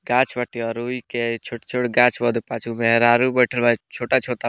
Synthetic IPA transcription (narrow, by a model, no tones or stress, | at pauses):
ɡat͡ʃʰbəʈiɔɾuiket͡ʃʰoʈt͡ʃʰoɽɡãt͡ʃʰbɔd̪epat͡ʃʰumeɦɾaɾubəjʈʰəlbat͡ʃʰoʈat͡ʃʰoʈa